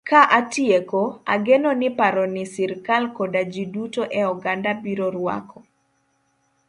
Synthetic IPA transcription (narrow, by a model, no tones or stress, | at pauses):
kaʔatiekoaɡenonɪpaɾɔnɪsiɾkalkodad͡ʒidutoʔɛɔɡandabiɾoɾwa̰kʰɔ̥